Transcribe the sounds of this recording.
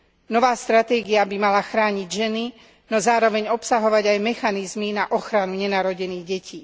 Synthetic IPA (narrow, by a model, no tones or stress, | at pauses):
nɔʋaːst̪ɾat̪ɛːɡiabimalaxɾaːɲiɟʒɛni | nɔzaːɾɔʋɛɲɔpsaɦɔʋaɟajmɛxanizminaʔɔxɾanuɲɛnaːɾɔɟɛniːɣɟɛcʰiː